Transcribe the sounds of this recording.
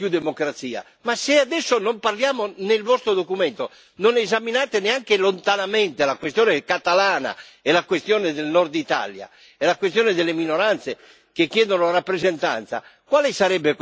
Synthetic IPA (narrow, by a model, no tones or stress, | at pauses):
pjud̪ːemokɾat̪siːa̰ | masead̪ɛsːonomparljaːmonelvɔst̪ɾod̪okumɛnt̪o | nonezaminaːt̪eneaŋkelont̪anamɛnt̪elakwest̪jɔːnekat̪alaːna̰ɛlakwest̪jɔːned̪elnɔrd̪it̪a̰lja̰ | ɛlakwest̪jɔːned̪elːeminoɾant̪se | kekːjɛːd̪onorapːɾezɛnt̪a̰nt̪sa̰kwaːlesaɾɛbːe